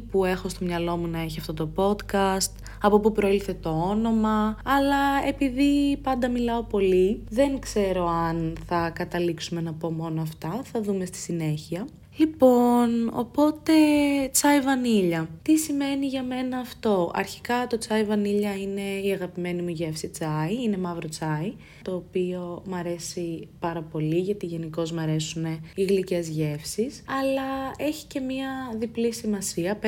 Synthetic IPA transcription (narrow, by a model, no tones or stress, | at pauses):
pue̞xo̞st̪o̞mɲɐlo̞munɐe̞çiɐft̪o̞t̪o̞po̞t̪kɐst̪ | ɐpo̞pupɾoilθe̞t̪o̞ono̞mɐɐlɐe̞piðipɐnd̪ɐmilɐo̞po̞liðe̞ŋkse̞ɾo̞ɐnθɐkɐt̪ɐliksume̞nɐpo̞mo̞noɐft̪ɐθɐðume̞st̪i̥sine̞çiɐ | lipo̞no̞̰po̞t̪e̞t͡sɐivɐniʎɐt̪isime̞niʝɐme̞nɐːft̪o̞ɐ̰ɾçi̥kɐt̪o̞t͡sɐivɐniʎɐine̞iɐɣɐpime̞nimuʝe̞fsit͡sɐiine̞mɐvɾo̞t͡sɐi | t̪o̞ːpio̞mɐɾe̞sipɐɾɐpo̞liʝɐt̪iʝe̞niko̞zmɐɾe̞sune̞iɣlice̞zʝe̞fsisɐlɐe̞çi̥ce̞mɲɐðiplisimɐsiɐp